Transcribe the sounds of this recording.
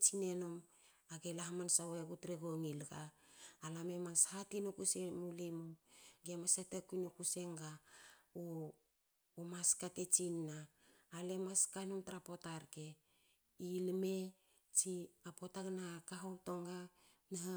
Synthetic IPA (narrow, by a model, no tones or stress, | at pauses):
t͡ʃinenom | aɡelaɦamansaweɡutɾeɡoŋilɡaːlamemashatinukusemulimuɡemasatakujnukuse̞ŋɡao | maskatet͡ʃinːaː | lemaskanomtaɾapotaɾke̞ | ilme̞ | t͡ʃiapo̞taɡnakaɦomtoŋɡa | naɦa